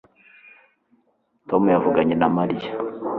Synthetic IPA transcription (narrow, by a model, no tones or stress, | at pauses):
tomujavuɡaɲenamaɾija